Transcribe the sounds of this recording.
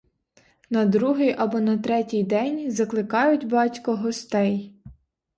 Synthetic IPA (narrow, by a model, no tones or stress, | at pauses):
nɐd̪ɾuɦɪjʔɐbɔnɐt̪ɾɛtʲijd̪ɛnʲzɐklˠɪkɑjʊtʲbɑtʲkɔɦɔst̪ɛj